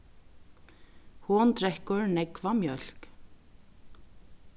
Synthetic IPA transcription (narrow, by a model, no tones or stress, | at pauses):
hunt̪ɾɛhkʏɹnɛkvamjœl̥k